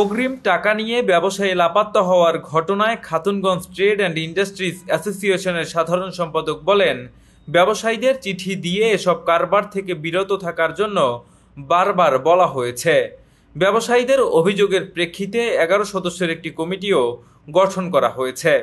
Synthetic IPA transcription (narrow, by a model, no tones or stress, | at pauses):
poɡɾimʈakanijebɛboʃailapat̪ːoɦɔoaɾɡʱɔʈonaekʰat̪unɡɔnsʈɾeɖɛɳɖiɳɖasʈɾisɛsosieʃoneɾʃad̪ʱaɾonʃɔmpad̪ok̚bɔlen | bɛboʃajd̪eɾt͡ɕiʈʰid̪ieeʃɔb̚kaɾbaɾt̪ʰekebiɾot̪ot̪ʰakaɾd͡ʑonːo | baɾbaɾbɔlaɦojet͡ɕʰe | bɛboʃajd̪eɾobʱid͡ʑoɡeɾpɾekʰːit̪eɛɡaɾoʃɔd̪oʃːeɾek̚ʈikɔmiʈio | ɡɔʈʰonkɔɾa̰ɦojet͡ɕʰe